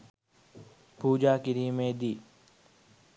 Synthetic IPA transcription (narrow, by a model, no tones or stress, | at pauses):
puːd͡ʒaːkɪɾiːmẽːd̪iː